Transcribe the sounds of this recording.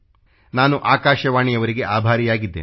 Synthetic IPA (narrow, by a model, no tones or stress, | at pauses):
naːnuʔaːkaːʃɐʋaːɳijɐʋɐɾiɡe̞ʔaːbʱaːɾijaːɡid̪ːeː